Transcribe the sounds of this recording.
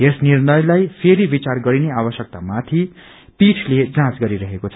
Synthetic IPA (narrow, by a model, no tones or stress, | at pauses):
esnirnʌjlajpʰeɾibit͡sarɡʌɾineabʌsjʌk̚t̪amat̪ʰi | pit͡sʰled͡zãt͡sɡʌɾiɾʌɦekot͡sʰʌ